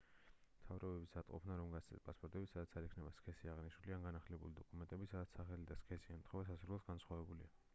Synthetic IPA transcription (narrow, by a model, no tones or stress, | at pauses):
mt̪ʰavɾɔbɛbisat̪ʼqʼɔ̰pʰnaɾɔmɡat̪st̪ʰɛ̰spʼaspʼɔɾt̪ʼɛbisad̪at̪sʰaɾikʰnɛbaskʰɛsiaʁniʃnulianɡanaχlɛbulid̪ɔkʼumɛnt̪ʼɛbisad̪at̪saχɛlid̪askʰɛsiant̪ʰχɔvas̬asɾulˠad̪ɡansχwavɛbulḭa